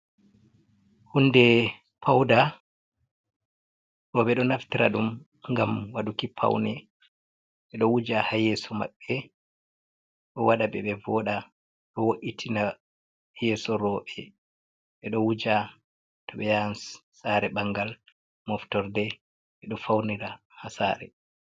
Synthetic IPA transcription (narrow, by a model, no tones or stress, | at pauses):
hundɛ | pʰawda | ɾɔɓɛɗɔnaftiɾa̰ɗum | ŋɡamwadukipʰa̰wnɛ | ɓɛɗɔwud͡ʒahajɛsɔma̰ɓːɛ | ɗɔwaɗabɛɓɛvɔɗa | ɗɔwoʔitʰina | jɛsɔɾɔːɓɛ | ɓɛɗɔwud͡ʒa | tɔɓɛjansː | aɾɛɓaŋɡal | mɔftɔɾdɛ | ɓɛɗɔfawniɾa | hasa̰ːɾɛ̰